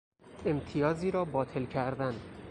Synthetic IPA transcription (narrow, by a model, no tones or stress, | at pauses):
e̞mt̪ʰijɒːziːɾɒːbɒːt̪ʰe̞lcʰæɾd̪æn